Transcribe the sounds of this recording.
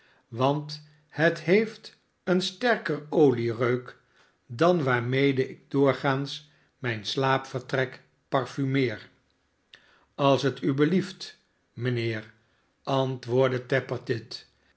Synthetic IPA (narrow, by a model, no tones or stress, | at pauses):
ʋɑnt | hətɦejft | ənstɛɹkərowlirøɥk | dɑnʋaːɹmejdəʔɪɡ̚dʊːɹχaːns | mɛjnslaːpfəɹtrɛk | pɑɹfymɪːr | ɑlˠsɦətybəlift | mənɪːɹ | ɑntʋʊːɹdətɛpəɹtɪt